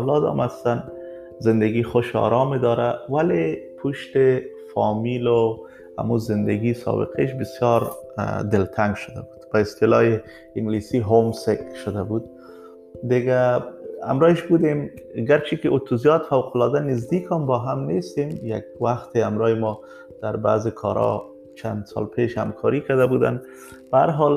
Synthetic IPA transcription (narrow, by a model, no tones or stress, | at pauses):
awlɔd̪ɔ̰mast̪an | zɪnd̪aɡixʊʃɒ̰ɾɑmed̪ɒɾawalepʰuʃt̪ɪ | fɒmilo | a̰muzɪnd̪aɡisɔ̰bɪ̰qʰeʃ̬bɪsjɔɾd̪ɪlt̪ʰaŋɡʃʊd̪a̰bud̪̥b̥aɪst̪ɪlɑ̰je | ɪŋɡlisiɦomsekʃʊd̪abud̪̚ | d̪ɪɡaa̰mɾɒːɪʃbud̪emɡaɾt͡ʃʰikɪʔot̪ʰuzijɒt̪fawqʊlɑd̪anɪzd̪ikʰɔmbɔɦamnest̪emja̰ɡwaxt̪ɪamɾɑɪmɔ | d̪̥aɾba̰ːzɪkʰɒɾɒ̰ | t͡ʃʰand̪sɑ̰lpʰeʃha̰mkʰɑɾikad̪abud̪a̰n | b̥aa̰ɾɦɑl